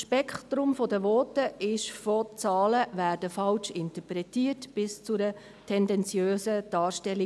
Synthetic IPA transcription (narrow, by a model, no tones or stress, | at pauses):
ʃpɛkχtɾʊmfɔdəʋɔːtəʔɪʃfɔt͡sɑːləvæːɾdəfɑlʃɪntəpɾɛtiːrtb̥ɪst͡sʊɾə | tʰɛndɛnt͡sjøːsəd̥ɑːɾʃtɛlːi